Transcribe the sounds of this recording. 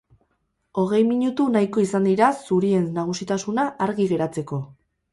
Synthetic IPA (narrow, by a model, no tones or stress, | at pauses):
o̞ɣ̞e̞jmiɲut̪unajko̞isand̪iɾasuɾie̞nnaɣ̞usit̪asunaʔaɾɣiɣe̞ɾat͡se̞ko̞